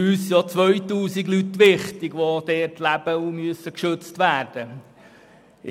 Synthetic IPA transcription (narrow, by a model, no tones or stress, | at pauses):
yːsjɑt͡sʋœʏt̪uːsiɡlyt̪ʋɪχt̪ɪɡʋod̥̪ɛːtlæb̥əumyəsəkʃɵt͡stʋæːɾd̥ə